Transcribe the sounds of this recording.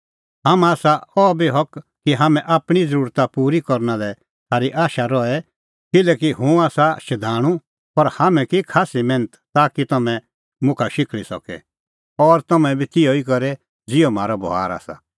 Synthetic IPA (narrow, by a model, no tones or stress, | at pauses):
ɦamaːsaɔbiɦɔkkːiɦamɛ̃ʔaːpɽ̃id͡zəɾuːɾt̪apuːɾikɔɾnalɛ | sʰaːɾiʔaːʃaɾɔɛ | kɪlɛːkiɦũaːsaʃɐd̪ʱaːɽ̃ũ | pɐɾhamɛ̃kikʰaːsimɛ̃ːnət̪t̪aːkit̪ɐmɛ̃ | mʊ̃kʰaʃɪkɭisɔ̰kɛ̰ | ɔɾt̪ɐmɛ̃bit̪ɪoikɔɾɛ | d͡zɪom̤aːɾɔbɔ̰ɦa̰ːɾa̰ːsa̰